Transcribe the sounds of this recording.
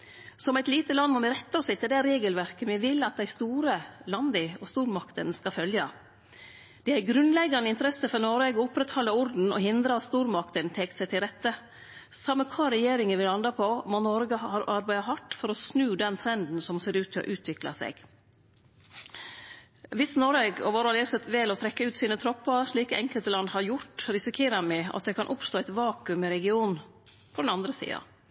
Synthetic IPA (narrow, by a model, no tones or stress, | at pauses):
sɔmæɪt̪liːt̪əlɑnmɔmɪɾɛt̪ːəɔsɪt̪ːɪd̪æɾeːɡəlʋæɾkəmɪʋɪlːɑt̪̚d̪æɪst̪uːɾəlɑnd̪əɔst̪uːɾmɑkt̪ənskɑfœljɑ | d̪̥ɛæɾɡɾʉnlɛɡːɑnəɪnt̪əɾɛsəfɔɾnoɾʋeːɡəʊpːɾɛt̪hɔlːəʊɾd̪n̩ɔ̰ɦɪnd̪ɾəɑt̪st̪uːɾmɑkt̪ənt̪ʰɛːk̪sæɪt̪ʰɪlɾɛt̪ːə | sɑmːəkʰɑːɾɛjeːɾɪŋənʋɪlɑnd̪ɑpʰɔmɔnɔɾɡəhɑɾɑɾbæɪɑɦɑʈːfɔɾɔsnʉːd̪ɛnt̪ʰɾɛnd̪n̩sɔmseːɾʉːt̪ʰːɪlɔ̰ʔʉːt̪ʰʋɪklɑ̰sɛ̰ɡ | ʋɪsnɔɾɛɡɔ̰ʋoːɾɑliːɾsɛt̪ʋɛlɔt̪ʰɾɛkːəʉːt̪siːnət̪ʰɾɔpːəɾʂɭiːkəɛŋkəlt̪əlɑnd̪hɑɾjʊʈɾɪsɪkʰeːɾəmæɑ̰t̪̚d̪ɛkʰɑnʔʊpst̪oːæɪt̪ʋɑːkʉmɪɾɛɡɪuːn | pʰɔd̪ɛnɑnd̪ɾəsḭːɑ̰